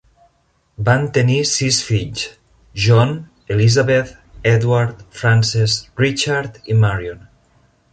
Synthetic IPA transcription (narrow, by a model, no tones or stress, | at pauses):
bant̪enisisfiʎs | ʒɔn | elizaβet̪ | ɛðwaɾt̪fɾansesrit͡ʃaɾt̪imaɾjon